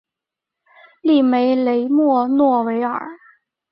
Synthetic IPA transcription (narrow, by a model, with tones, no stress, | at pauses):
li˥˩me˧˥ɪle˧˥ɪmwɔ˥˧nwɔ˥˩we˧˥ɪə̰˞˨˩˦